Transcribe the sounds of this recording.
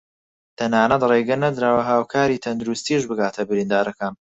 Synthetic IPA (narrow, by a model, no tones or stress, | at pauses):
t̪ʰɐnaːnɐt̪reːɡɐnɐd̪ɾaːwɐɦaːwkʰaːɾiːt̪ʰɐnd̪uɾust̪iːʃbɨɡaːt̪ʰɐbɨɾiːnd̪aːɾɐkaːn